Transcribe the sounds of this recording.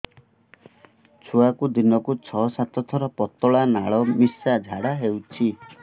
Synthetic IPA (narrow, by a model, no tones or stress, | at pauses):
t͡ʃʰuakud̪inɔkut͡ʃʰɔsat̪ʰɔt̪ʰɔɾɔpɔt̪ɔɭanaɭɔmisad͡ʒʱaɽaɦewt͡ʃʰi